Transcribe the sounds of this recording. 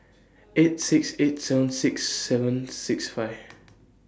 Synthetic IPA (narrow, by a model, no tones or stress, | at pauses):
etsiksetsɛvə̃nsɪksːɛvə̃nsɪksfaɪv